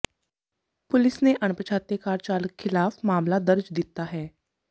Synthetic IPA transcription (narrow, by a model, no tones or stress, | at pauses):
pʊlɪsneʔəɳ̃pət͡ʃʰaːt̪ekaːɾt͡ʃaːləkxʰɪlaːfmaːmlad̪əɾd͡ʒd̪it̪aɦɛː